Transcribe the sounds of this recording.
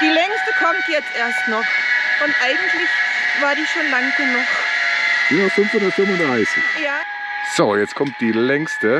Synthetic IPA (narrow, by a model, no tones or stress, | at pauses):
d̥iːlɛŋstəkʰɔmtjɛt͡stʔeːɐstnɔχ | ʔʊntʔaɪɡŋ̩tlɪçvaːɐdiːʃoːnlaŋɡ̥ənuxd̥uːvastfʊnfonafɪmɐdɛaɪsə̰jaː | z̥ojɛt͡skʰɔmt̚d̥iːlɛŋstə